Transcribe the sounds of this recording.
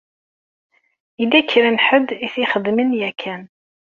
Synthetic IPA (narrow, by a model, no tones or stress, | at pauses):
ilːæçɾənħəd̪iθiχəd̪mənjækʰːæn